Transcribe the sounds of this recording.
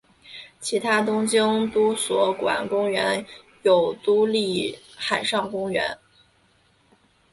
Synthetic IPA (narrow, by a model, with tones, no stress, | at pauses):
t͡ɕʰi˧˥t̪ʰa˥t̪ʊ˥ŋt͡ɕi˥ŋt̪u˥swɔ˧˥kwa̰˨˩nkʊ˥ŋɥɛ˧˥n | jo˨˩ʊt̪u˥li˥˩ | xa˨˩nʂɑ˥˩ŋkʊ˥ŋɥɛ̰˧˥n